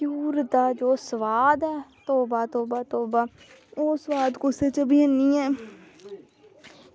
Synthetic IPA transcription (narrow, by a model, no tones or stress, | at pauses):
kuːɾd̪aːd͡ʒoːsəʋaːd̪ɦɛːt̪oːbaːt̪oːbaːt̪oːbaː | oːsəʋaːd̪koset͡ʃəbʱiːəniːɛː